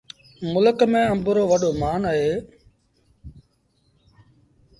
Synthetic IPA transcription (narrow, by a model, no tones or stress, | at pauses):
mʊləkmẽːəmbʊɾoːʋəɗoːmaːnaːɦeː